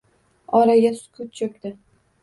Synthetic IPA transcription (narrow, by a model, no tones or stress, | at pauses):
ɒɾaɡʲasʊ̥kʰʊt̪̚t͡ʃʰokʲd̪ɪ